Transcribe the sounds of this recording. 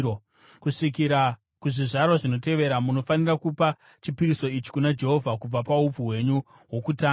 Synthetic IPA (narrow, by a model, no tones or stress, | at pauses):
o | kuʂikiɾa | kuʐiʐarwaʐino̞te̞ʋe̞ɾamuno̞fanirakupa | t͡ʃipiɾiso̞it͡ʃi̥kunad͡ʒe̞ɦo̞vʱakub͡vapaub͡vuwe̞ɲu | ɦwo̞kutaː